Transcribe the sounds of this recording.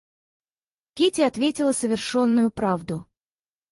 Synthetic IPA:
kʲetʲɪɐt̪vʲetʲɪlˠəsəvʲɪrʂo̞nːʊjʊpɾavd̪ʊ

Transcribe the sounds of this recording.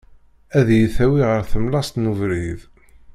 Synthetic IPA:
æðjiθæwiʁəɾθəmlɑst̪nuvɾið

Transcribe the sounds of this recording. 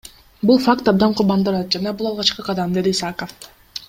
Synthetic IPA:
bulˠfakt̪ɑb̚d̪ɑɴqʰʊɾbɑnd̪ɯɾɑt̪̚d͡ʒɑnɑbulˠɑlˠʁɑt͡ʃqɯqʰɑd̪ɑmd̪e̞d̪iːsakəf

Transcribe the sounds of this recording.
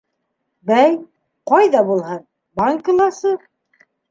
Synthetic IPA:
bæj | qɑjðɑbulˠhɤn | bɑŋklˠɑsɤ

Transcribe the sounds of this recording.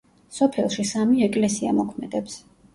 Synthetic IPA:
sɔpʰɛlˠʃisamiɛkʼlɛsiamɔkʰmɛd̪ɛps

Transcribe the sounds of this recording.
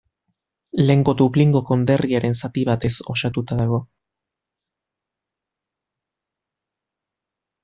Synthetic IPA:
le̞ːŋɡo̞d̪uβliŋɡo̞ko̞nd̪e̞riaɾe̞nsat̪iβat̪e̞so̞sat̪ut̪aðaɣ̞o̞

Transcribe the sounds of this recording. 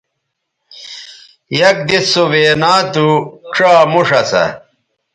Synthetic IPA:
jɐk̚d̪isoʋeːnaːt̪uʂaːmuʂɐsɐ̰

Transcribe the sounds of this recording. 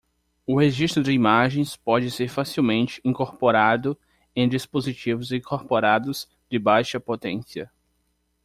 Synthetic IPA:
ʊheʒist̪ɾʊd͡ʒɪimaʒẽj̃spɔd͡ʒɪseɾfasiwmẽnt͡ʃɪ̥ĩkoɾpoɾad̪ʊ | ẽj̃d͡ʒispozit͡ʃivʊzĩkoɾpoɾad̪ʊz̥ | d͡ʒ̪ɪbajʃɐpot̪ẽsiɐ

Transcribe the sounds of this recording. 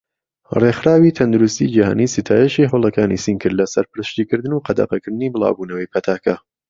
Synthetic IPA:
reχxɾaːwit̪ʰɐnd̪uɾust̪id͡ʒiha̰ːniːsit̪ʰaːjɛʃiɦɐwlˠɐkaːnḭsinkʰɨɾlɐsɐɾpɨɾɨʃt̪iːkɨɾd̪ɨnuqɐd̪ɐ̰qɐkʰɨɾd̪ɨniːbɨlˠa̰ːbuːnɐwɐjpʰɐt̪ʰaːkʰɐ

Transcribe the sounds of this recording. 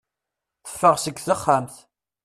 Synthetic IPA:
θə̥fːəʁsəɡθəχːamθ

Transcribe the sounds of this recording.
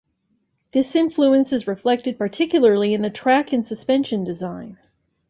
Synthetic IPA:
ðɪsɪ̃ɱfluɨ̃nsɨzɹɨflɛk̚tɨd̚pə˞tʰɪkjl̩ˠə˞lˠiɨ̃nðɨtʰɹ̥ækɨ̃nsɨspɛ̃nʃɨ̃ndɨzãɪ̃n

